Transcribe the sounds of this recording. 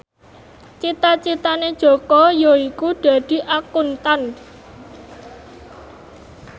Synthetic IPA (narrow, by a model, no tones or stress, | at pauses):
t͡ʃit̪at͡ʃit̪aned̥ʒ̥ɔ̤kɔjoikuɖ̪̥ä̤d̪̥i̤ʔakunt̪an